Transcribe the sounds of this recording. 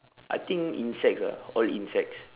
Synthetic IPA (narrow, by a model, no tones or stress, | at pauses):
ʔa̰jt̪ĩŋḭ̃nsɛk̚sa̰ɔlḭ̃nsɛk̚s